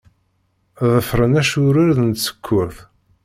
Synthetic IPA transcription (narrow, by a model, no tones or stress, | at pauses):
ðəfɾˤənæʃʊɾaɾðənt̪sə̥kʰʷːʊɾθ